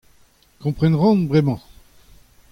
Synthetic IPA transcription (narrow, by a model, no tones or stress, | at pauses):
kɔ̃pχɛnʁɔ̃nbʁɛmɑ̃